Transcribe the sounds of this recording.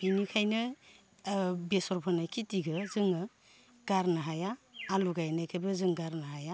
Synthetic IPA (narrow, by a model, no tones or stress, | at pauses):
b̥inikʰajnɯ | besɔɾpʰɔnajkʰitiɡɯzɯŋɯ | ɡ̥aɾnɯɦajaːluɡajnajkʰajbɯzɯŋɡaɾnaɦaja